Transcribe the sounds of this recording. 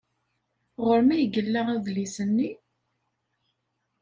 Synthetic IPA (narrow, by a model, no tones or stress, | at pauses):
ʁəɾmæjəɡəlːaʁaðlisənːi